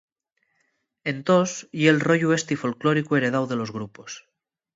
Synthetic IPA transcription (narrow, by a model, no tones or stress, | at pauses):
ent̪osjelroʎuest̪ifo̞lkloɾikue̞ɾeð̞awðe̞lo̞zɣ̞ɾupos